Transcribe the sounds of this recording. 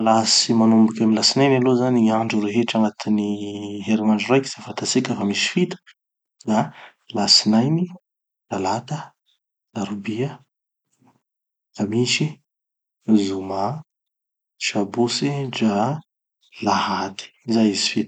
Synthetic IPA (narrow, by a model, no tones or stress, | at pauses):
lasimanumbukʲaminlasinajnalozaniaɳɖ͡ʐuɾeɦeʈ͡ʂaŋat̪iniɦeɾimaɳɖ͡ʐurajki̥z̥afant̪asikəfamisi̥fit̪ə̥ | d̪a | lasinajni | lalat̪ə | laɾubiə | amiʃi | zuma | ʃabosid͡ʒa | lahat̪i̥zajizifit̪